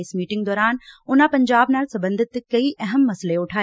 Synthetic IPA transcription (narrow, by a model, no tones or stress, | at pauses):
smiːʈɪ̃ŋɡd̪ɔːɾaːnʊnãpɐ̃ɲd͡ʑaːbnaːlsɐ̃mbə̃nd̪ʱɪt̪kɐiʔɐɦəmːɐsəleʊʈʰaː